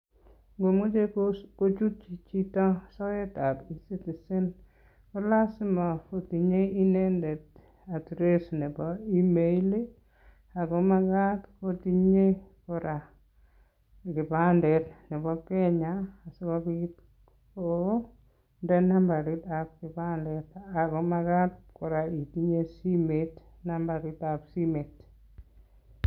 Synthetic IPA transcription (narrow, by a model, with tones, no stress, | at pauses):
ɡo˨mu˦d͡ʒekkot͡ʃu˦t̚t͡ʃi˨t͡ʃi˦tɔ˦sɔje˦tabisi˦ti˨sɪ˦n | kɔ˦lasi˦ma˨foti˨ɲe˦inɛndɛ˨t | a˨tɾesnɛ˨bɔimele | a˨ɡɔmaɡatkotiɲekɔɾa | kɪ˨ba˦ndɛ˨tnɛ˨bɔ˦kɛ˦ɲaː˨sɔ˦kɔ˦bit | o | ndɛ˦na˦mba˨ɾɪ˦ta˨p̚kɪ˨bandɛ˨ta˨ɡɔ˦ma˦ɡa˦t̚kɔ˨ɾa˨i˨ti˦ɲe˦si˦met | na˦mba˨ɾɪ˦tapsi˦me˨t